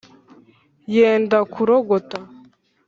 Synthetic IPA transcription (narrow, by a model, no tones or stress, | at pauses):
jeːndakʰuɾoɡota